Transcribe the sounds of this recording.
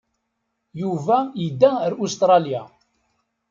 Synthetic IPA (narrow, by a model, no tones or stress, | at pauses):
juvæjid̪ːæɾust̪ɾˤɑlja